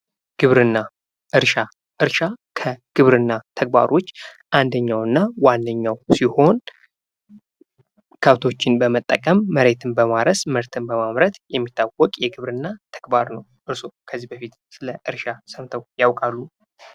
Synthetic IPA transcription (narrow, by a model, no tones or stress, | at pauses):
ɡ̥ɨβɾɨnːa | ʔɨɾʃa | ʔɨɾʃakʰəɡ̥ɨβɾɨnːat̪ʰəɡ̚ba̰ɾʔo̞t͡ʃː | ʔand̪əɲːawɨnːawanːəɲːawsiho̞n | kʰəβt̪ʰo̞t͡ʃːɪnbəmət̪ʼːəkʼəmːəɾe̞t̪ʰɨnbəmaɾəsmɨɾt̪ʰɨnbəmamɾət̪jɛmːit̪ʰːawɔkʼjɛɡɨβɾɨnːat̪ʰə̥ɡ̥baɾnəwʔɨɾsokʰəzːibəfit̪sɨləʔɨɾʃasəmt̪ʰəwjawkʼalːu